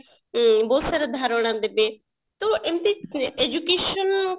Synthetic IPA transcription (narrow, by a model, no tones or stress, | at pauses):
bɔːt̪saɾad̪ʱaːɾoɽ̃ãd̪ebe | t̪oʔemt̪eed͡ʒukeːʃən